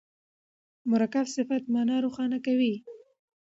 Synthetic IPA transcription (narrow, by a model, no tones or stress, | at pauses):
mʊɾakafsɪfat̪mɑnɑɾoxɑnakawi